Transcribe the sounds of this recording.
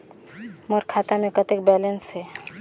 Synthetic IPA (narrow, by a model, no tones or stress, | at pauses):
moɾkʰat̪amekət̪ek̚bɛlensɦɛ